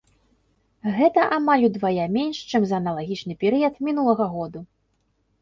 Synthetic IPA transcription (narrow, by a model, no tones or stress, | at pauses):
ɣɛt̪ɐʔamalʲud̪vajamʲɛnʂt͡ʂɨmzɐːnɐlˠaɣʲit͡ʂnɨpʲɛɾɨjɐt̪mʲin̪ulˠɐɣɐɣɔd̪u